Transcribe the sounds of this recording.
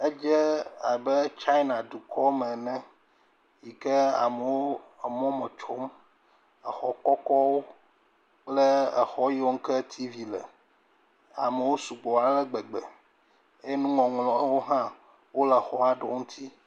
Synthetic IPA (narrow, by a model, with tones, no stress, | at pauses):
e˦d͡ʒɛ˦a˨bə˦t͡ʃa˦i˦nã˨d̪u˨kʰɔ˦mə̃˨nɛ̃˦ | ji˨kə˦a̰˨mə˨wo˦˨mɔ̃˦mə˨t͡ʃo˦m | ə˨xɔ˨kɔ˦kɔ˦wo˦ | k͡plə˦ə˨xɔ˦ji˦wo˦ŋ̩˦kə˦t̪ʰi˦vi˨lɛ˨ | a̰˨mə˨wo˦su˨ɡ͡bɔ˨a˨˦lə˦ɡ͡bɛ˨ɡ͡bɛ˨ | e˦nũ˦ŋɔ̃˨ŋlɔ̃˦wo˦ɦã˦ | wo˦lə˨xɔ˨a˦ɖɔ˨ŋũ˦t̪ʰi˦